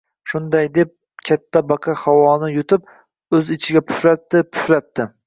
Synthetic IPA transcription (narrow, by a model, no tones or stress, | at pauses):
ʃʊnd̪ajd̪e̞p̚ | kʲʰat̪ʰːabɑqʰɑhawɒnɪjʊt̪ʰɪp̚ | ɵzɪt͡ʃʰɪɡʲapʰʊ̥fɾat̪ːɪpʰʊ̥ʃlat̪ːɪ